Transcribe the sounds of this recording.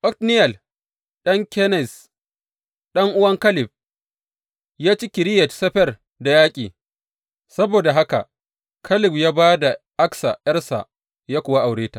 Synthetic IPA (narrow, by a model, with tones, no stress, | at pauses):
ʔɔ˦tnɪ˦jɐ˨l | ɗɐ˦ŋkʲɛ˦nɛ˨s | ɗɐ˦ŋʔʊ˦wɐ˦ŋkɐ˦lɪ˨ɸ̚ | jaː˦t͡ʃi˦kʲɪ˨ɾɪ˦jɛ˨tsɐ˦ɸɛ˦r | da˨jaː˦kʲʼiː˨ | sɐ˦boː˨da˨ɦa˦ka˨ | kʰɐ˦lɪ˨ɸjaː˦baː˦da˨ | ʔa˦ksa̰˨jɐ˦rsa̰˨ | jaː˦kʷʊ˨wa˦ʔa˨wɽeː˦taː˨